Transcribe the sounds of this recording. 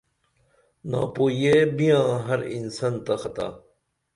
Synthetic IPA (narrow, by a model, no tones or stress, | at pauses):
na̰ːpoːjebijãːɦɐɾḭnsɐnt̪axɐt̪a̰ː